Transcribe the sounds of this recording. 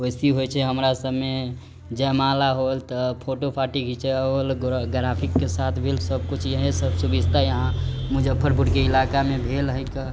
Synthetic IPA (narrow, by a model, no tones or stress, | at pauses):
ojsiɦojt͡ʃʰɛɦəmɾasəbme | d͡ʒɛmalaɦolt̪ɔpʰoʈopʰaʈiɡit͡ʃʰɛɦolɡɾapʰikːesat̪ʰbʱelsəb̚kut͡ʃʰjəɦẽsəbsubid͡ʒʱt̪ajəɦãmud͡ʒəpʰːəɾbuɾkeilakamebʱelɦəjkə